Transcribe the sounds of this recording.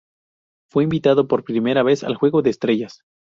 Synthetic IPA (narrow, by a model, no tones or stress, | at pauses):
fwe̞imbit̪aðo̞po̞ɾpɾime̞ɾaβ̞e̞sa̰lxwe̞ɣo̞ðe̞ːst̪ɾeʝas